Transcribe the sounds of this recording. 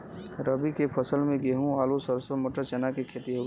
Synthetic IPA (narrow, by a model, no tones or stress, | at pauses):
ɾəbikepʰəsəlmẽɡeɦũaːlosəɾsəmʊʈəɾt͡ʃɛnakekʰeːt̪iɦoɡ